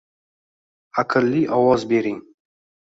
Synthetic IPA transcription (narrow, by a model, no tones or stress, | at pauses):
akʰɨlːiʔɑwɑzbeɾiŋ